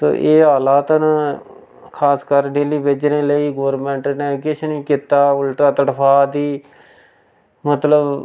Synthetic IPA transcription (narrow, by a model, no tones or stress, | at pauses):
so̰ːʔeːɦaːlaːt̪ən | kʰaːskəɾɖeːliːbed͡ʒɾẽːləiːɡoːəɾmɛ̃ːɳʈnẽːkɪt͡ʃʰnĩːkiːt̪aːʊlʈɾaːt̪əʈpʰaːd̪iː | mət̪ləb